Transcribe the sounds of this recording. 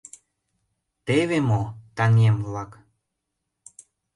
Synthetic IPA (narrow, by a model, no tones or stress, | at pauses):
t̪eβemot̪ɑnemvlɑk